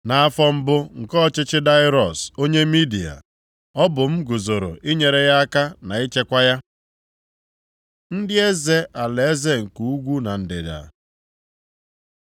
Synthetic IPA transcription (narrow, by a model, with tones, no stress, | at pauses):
na˨a˦fɔ˦m̩˦bʊ˦ŋ̩˨kɔ˦˨t͡ʃɪ˦t͡ʃɪ˦da˦ɪ˦ɾɔ˨so˦ɲe˦mi˦di˨a̰˨ | ɔ˦bʊ˨m̩˦ɡʊ˨zo˨ɾo̰˨ʔi˦ɲe˨ɾe˨ɣa˦a˦ka˦na˨i˦t͡ʃe˦kʷa˦ja˦ | n̩˦dɪ˦e˦ze˦ʔa˨le˨e˦ze˦ŋ̩˨ku˨u˦ɡʷu˦na˨n̩˨dɪ̰˨da̰˨